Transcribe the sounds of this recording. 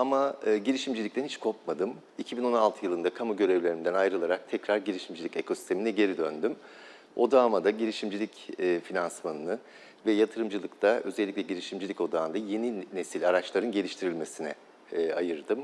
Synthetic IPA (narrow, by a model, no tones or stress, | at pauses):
amaɟiɾʲiʃimd͡ʒilʲic̚t̪ænhit͡ʃkʰo̞pmad̪ɯm | icʰibino̞nalˠt̪ʰɯjɯlˠɯnd̪akʰamuɟø̞ɾevlʲeɾind̪ænajɾɯlˠaɾak̚t̪ʰɛcɾaɾɟiɾiʃimd͡ʒilʲicekʰo̞si̥t̪ʰe̞minɛɟe̞ɾid̪ø̞nd̪ym | o̞d̪aːmad̪aɟiɾʲiʃimd͡ʒilʲicːfinansmanɯnɯ | vɛjat̪ʰɯɾɯmd͡ʒɯlˠɯkt̪ʰaʔø̞̰zɛlʲːiclʲɛɟilʲiʃimd͡ʒilʲico̞d̪aːnd̪aje̞nine̞silʲaɾat͡ʃlˠaɾɯnɟelʲiʃt̪ʰiɾilʲme̞sinɛː | ajɯɾd̪ɯm